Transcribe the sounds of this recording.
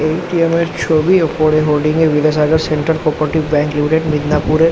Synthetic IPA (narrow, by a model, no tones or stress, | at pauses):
eːʈiemest͡ʃʰoːbiokoːɽeɦoːlɖɪ̃ŋɡeʋiɡes̬aːɡəɾsẽɳʈəɾpoːpɾəʈiʋbɛ̃ːŋklɪmiʈeɖmɪd̪napuːɾe